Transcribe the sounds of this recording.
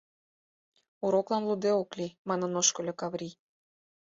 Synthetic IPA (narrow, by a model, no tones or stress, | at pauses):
uɾoklɑnlud̪eoklʲimɑnɤ̆noʃkɤ̆lʲokɑβɾʲi